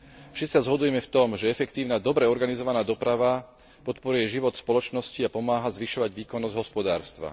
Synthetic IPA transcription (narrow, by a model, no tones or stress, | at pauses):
fʃɛt͡sːi̥sazɦɔd̪ujɛmɛft̪ɔmʒɛɛfɛkt̪iːʊnad̪ɔbɾɛɔɾɡanizɔʋanaːd̪ɔpɾaʋa | pɔt̪pɔɾujɛʒiʋɔt̪spɔlɔt͡ʃnɔsciapɔmaːɦazʋiʃɔʋaɟʋiːkɔnːɔzɟɦɔspɔd̪a̰ːɾst̪ʋa̰